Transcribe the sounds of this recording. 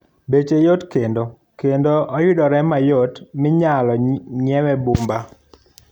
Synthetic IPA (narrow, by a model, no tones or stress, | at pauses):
bet͡ʃejotkendo | kendoʔɔjʊdɔɾɛmajotmɪɲalɔɲɛwɛbumba